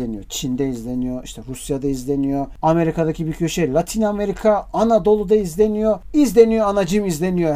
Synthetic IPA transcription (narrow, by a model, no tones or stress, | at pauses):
enijot͡ʃʰind̪ɛizlʲenijo̞iʃt̪ʰɛɾusjad̪aizlʲenijo̞ame̞ɾikad̪acʰibicʰø̞ʃɛlʲˠat̪ʰiname̞ɾikʰaːnad̪o̞lˠud̪aizlʲe̞nijoizlʲe̞nijo̞anad͡ʒɯmizlʲe̞nijo